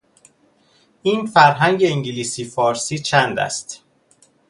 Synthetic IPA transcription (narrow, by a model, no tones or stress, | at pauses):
ʔiːnfæɾɦæŋɟeiŋɟiliːsiːfɒːɾsiːt͡ʃʰænd̪æ̰st̪